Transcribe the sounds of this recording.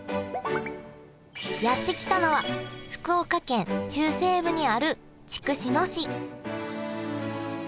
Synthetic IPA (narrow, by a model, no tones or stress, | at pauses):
jat̪ːe̞kʲi̥t̪ano̞βaɸɯ̟̥kɯ̟okakẽ̞nt͡ɕɨːse̞ːbɯ̟ɲ̟iaɾɯ̟ | t͡ɕi̥kɯ̟ɕino̞ɕi